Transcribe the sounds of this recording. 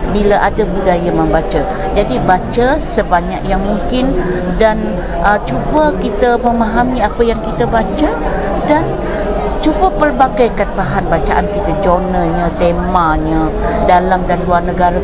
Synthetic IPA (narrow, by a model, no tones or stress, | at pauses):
bilaʔadabudajaməmbat͡ʃə | d͡ʒadibat͡ʃəsəbaɲa̰k̚jaŋmuŋkɪndan | ʔət͡ʃubəkit̪əməmaɦamĩapəjaŋkit̪əbat͡ʃə | dan | t͡ʃubəpərbaɡajkanpaɦanbat͡ʃaʔankit̪əd͡ʒonəɲə̃t̪emãɲədalamdanluarnəɡaɾa